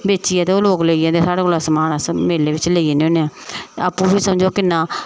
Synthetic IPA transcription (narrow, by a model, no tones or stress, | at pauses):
beːt͡ʃijãːt̪eːoːloːkleiːãːd̪eːsaːɽeːkolaːsəmaːnaːsmeːleːʋɪt͡ʃleːiẽːneoːneãːa̰ːpːũːpiːsəmd͡ʒoːkɪnãː